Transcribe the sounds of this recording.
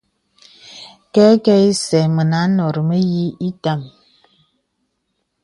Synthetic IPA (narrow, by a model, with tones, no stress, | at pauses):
kɛ˦kɛ˦i˦sɛ˨mə˨na˨˦nɔ˨ɾə˨mə˦ji˦i˦ta˦˨m